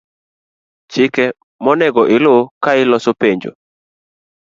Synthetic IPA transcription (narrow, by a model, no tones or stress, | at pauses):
t͡ʃɪkɛ | mɔnɛɡɔʔɪlokaɪlɔsopeɲd͡ʒo̰